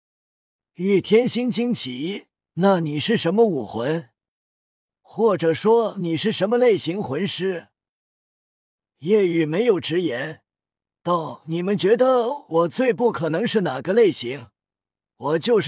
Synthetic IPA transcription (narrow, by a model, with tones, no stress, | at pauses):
y˥˩t̪ʰjɛ˥nɕi˥ŋt͡ɕi˥ŋt͡ɕʰi˨˩˦ | na˥˩ni˨˩ʂɻ̩˥˩ʂə˧˥nmə˧u˨˩xwə˧˥n | xwɔ˥˩ʈ͡ʂɤ˨˩ʂwɔ˥ni˨˩ʂɻ̩˥˩ʂə˧˥nmə˧le˥˩ɪɕi˧˥ŋxwə˧˥nʂɻ̩˥ | jɛ˥˩y˨˩me˧˥ɪjo˨˩ʊʈ͡ʂɻ̩˧˥jɛ˧˥n | t̪ɑ˥˩ʊni˨˩mə˧˦nt͡ɕɥɛ˧˥d̪ə˧wɔ˨˩t͡swe˥˧ɪpu˥˩kʰɤ˨˩nɤ˧˥ŋʂɻ̩˥˩na˨˩ɡə˦le˥˩ɪɕi˧˥ŋ | wɔ˨˩t͡ɕjo˥˧ʊʂ